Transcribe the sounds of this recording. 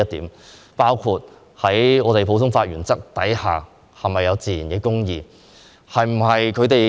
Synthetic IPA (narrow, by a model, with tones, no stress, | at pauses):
ɐ˥t̚t̪iː˨˥m | paː˥wkʰuː˧t̚ | hɐ˨˥jŋɔː˨˧t̪e˨jpʰo˨˥wtʰʊ˥ŋfaː˧t̚ɥyː˨˩nt͡sɐ˥k̚t̪ɐ˨˥jhaː˨˩ | hɐ˨˩mɐ˨jːɐ˨˧wt͡siː˨jiː˨˩nkɛː˨˧kʊ˥ŋjiː˨˧ | hɐ˨jm̩˨˩hɐ˨jkʰɵ˨˧ɥt̪e˨